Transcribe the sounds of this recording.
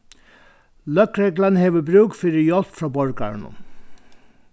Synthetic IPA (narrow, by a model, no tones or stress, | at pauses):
lœkɾeːɡlənheːʋəbɾʉːkfʏɾəjɔlt̪fɾɑːbɔɹɡɑ̰ɹɳʊ̰